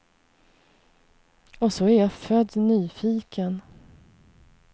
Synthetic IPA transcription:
ɔsɔæɾjafœd̪nyːfiːkʰən

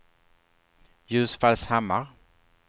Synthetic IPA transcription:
jʉ̟ːsfalshamːaɾ

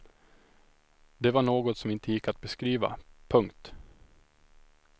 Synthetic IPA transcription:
d̪ɛvaɳoːɡɔt̪sɔmɪnt̪ʰəjɪkːat̪̚bɛskɾiːva̰pʰɵŋkt̪

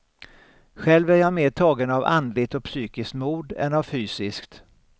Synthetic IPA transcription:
ɧɛlvæɾjameːʈʰɑːɡənava̰nd̪lɪt̪ɔk̚pʰsyːkɪskt̪muːd̪ɛ̰navfyːsɪskt̪

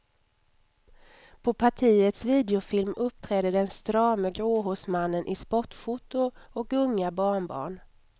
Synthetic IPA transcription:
pʰɔpʰaʈʰiːət̪sviːd̪ɛʊfɪlmɵpːt̪ʰɾɛːd̪əd̪ɛnst̪ɾɑːmɛɡɾoːɦʊsmanːənʔɪspɔʈɧuːt̪ːʊɔkɵŋːabɑːɳbɑ̰ːɳ

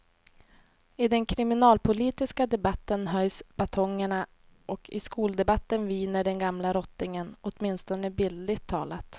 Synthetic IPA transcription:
ɪd̪ɛnkʰɾɪmɪnɑːlpʰʊliːt̪ɪskad̪ɛbat̪ːənɦœjsb̥at̪ʰɔŋːəɳa | ʔɔkʰɪskuːld̪ɛbat̪ːənviːnəɖɛnɡamlaɾɔt̪ːɪŋənɔt̪mɪnst̪ɔnəbɪlːɪt̪ʰːɑ̰ːla̰t̪

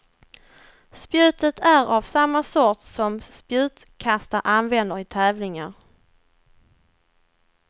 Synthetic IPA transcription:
spjʉ̟ːt̪ət̪ʰæɾavsamːasɔt̪sɔmspjʉ̟ːt̪ | kʰast̪aɾʔanvɛnd̪əɾɪt̪ʰɛːvlɪŋaɾ

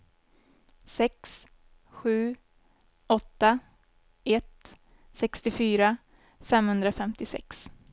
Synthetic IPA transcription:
sɛks | ɧʉ̟ː | ɔt̪ːa | ʔɛt̪ | sɛkst̪ɪfyːɾa | fɛmhɵnd̪ɾafɛmt̪ɪsɛ̰ks

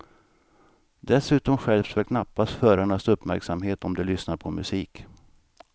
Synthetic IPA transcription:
d̪ɛsʉ̟ːt̪ɔmɧɛlft̪fɛlkʰnapːasfœːɾaɳasɵpːmæɾksamɦeːt̪ɔmd̪ɛlʏsnaɾpʰɔmɵ̰siːk

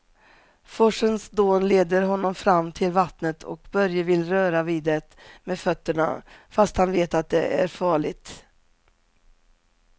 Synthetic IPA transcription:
fɔʂənsd̪oːnleːd̪əɾɦɔnːɔmfɾamːt̪ʰɪlvat̪nət̪ʰɔ̰kbœɾjəvɪlɾœːɾaviːd̪ɛt̪meːfœt̪ːəɳa̰fast̪hanveːt̪at̪̚d̪ɛ̰æ̰ɾfɑːɭɪt̪

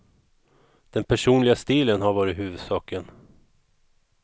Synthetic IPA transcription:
d̪̥ɛnpʰæʂuːnlɪɡast̪iːlənɦaɾvɑːɾɪɦʉ̟ːvɵd̪sɑːkən

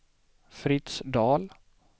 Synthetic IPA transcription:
fɾɪt̪sd̪ɑːl

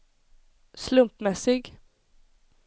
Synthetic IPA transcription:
slɵmpmɛsɪɡ

